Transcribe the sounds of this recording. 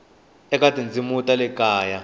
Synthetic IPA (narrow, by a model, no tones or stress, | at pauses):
ɛk̬ʼatʼind͡zʱimutʼalɛkʼaːja